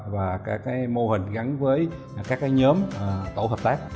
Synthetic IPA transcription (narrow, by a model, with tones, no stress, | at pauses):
vaː˨˩kaː˦˥kːaː˨˦jmo˧hï˨˩ŋ̟ɣa˨˦nvəː˨˦j | kaː˦˥kːaː˨˦jɲəː˨˦m˩t̪o˧˩ɦəː˨˩p̚t̪aː˦˥k̚